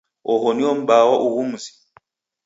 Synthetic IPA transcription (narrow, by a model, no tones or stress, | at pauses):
ɔɦɔniɔm̩ɓawɔʔuɣum̩zi̥